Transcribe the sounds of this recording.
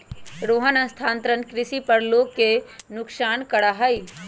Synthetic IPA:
ɾoːɦənɐ̃st̪ʰãːnt̪ɾənkɾɪsipɐɾloːkːenʊkʃaːnkɐɽaɦɐi

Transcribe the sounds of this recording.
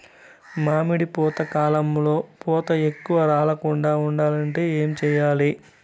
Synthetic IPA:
maːmiɽipɔːt̪ɐkaːlɐmlo̞ːpɔːt̪ɐe̞kːuʋɐɾaːlɐkuɳɖaːuɳɖaːlɐɳʈe̞ːeːmit͡ʃɛːjaːli

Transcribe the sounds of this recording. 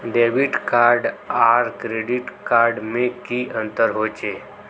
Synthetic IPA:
ɖeːbiʈkaːɾɖaːɾkɾeːɖɪʈkaːɾɖmẽkiʔə̃nt̪əɾɦoːt͡ʃeː

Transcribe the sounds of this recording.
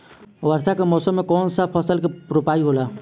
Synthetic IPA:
waɾsakɔmɔsɔmekɔnsapʰɔsəlkeɾopajɦola

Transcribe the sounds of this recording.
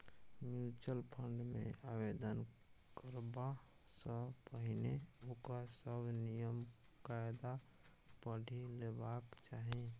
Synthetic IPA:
mjut͡ʃəlpʰəɳɖmḛabed̪ən | kəɾba | sə̃pəɦineokəɾsəbʱnijəm | kajd̪a | pəɽʱilebakt͡ʃaɦi

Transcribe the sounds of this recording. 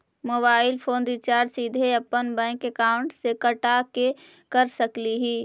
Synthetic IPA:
moːbaːɪlpʰoːnɾɪt͡ʃaːɾsiːd̪ʱeɐpənbɛ̃ɪkekaːʊ̃ɳʈsekəʈake | kəɾsəkliɦiː

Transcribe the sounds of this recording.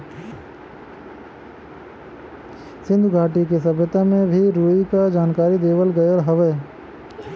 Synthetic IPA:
sɪ̃nd̪ʱuɡʱaːʈikesəbʱjət̪amẽbʱiɾuikad͡ʒaːnkaːɾid̪eːʋəlɡəjəlɦəʋe

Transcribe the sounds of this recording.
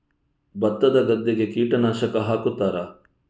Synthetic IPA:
bɐt̪ːɐd̪ɐɡɐd̪ːeɡekiːʈɐnaːʃɐkɐɦaːkut̪ːaːɾɐ

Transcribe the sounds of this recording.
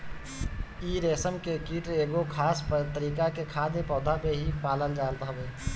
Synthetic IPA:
iɾeːsəmkekiʈeːɡokʰaːspt̪əɾiːkakekʰaːd̪epɔːd̪ʱapeɦipaːləld͡ʒaːlt̪ɦəbeː

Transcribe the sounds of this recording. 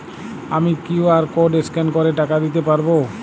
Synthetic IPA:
amikiwaɾkoɖeskenkoɾeʈakad̪it̪epaɾbo

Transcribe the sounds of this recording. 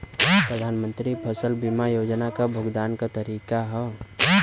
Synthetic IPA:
pɾəd̪ʱaːnmə̃nt̪ɾipʰəsəlbimajoːd͡ʒnakabʱʊɡd̪aːnkat̪əɾiːkaɦɛ

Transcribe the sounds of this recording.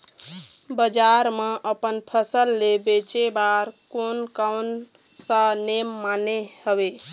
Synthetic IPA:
bəd͡ʒaɾmeʔəpənpʰəsəlːebet͡ʃebaɾkonkawn | sə̃nemːanehəbe

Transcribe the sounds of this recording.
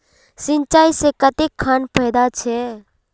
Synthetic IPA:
sɪ̃nt͡ʃaːisẽkət̪ekʰːaːnpɛːd̪at͡ʃʰɛ

